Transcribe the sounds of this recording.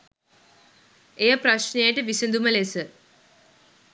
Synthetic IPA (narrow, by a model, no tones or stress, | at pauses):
eːpɾɐɕneːjʈːɨʋisɨnd̪umɐlesɨ